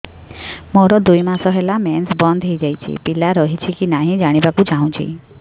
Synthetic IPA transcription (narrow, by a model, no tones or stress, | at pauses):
mɔɾɔd̪ujmasɔɦɛlamɛnsbɔnd̪ʱɦejd͡ʒajt͡ʃʰḭpilaɾɔɦit͡ʃʰikinaɦĩd͡ʒaɽ̃ibakũd͡ʒaɦũt͡ʃʰḭ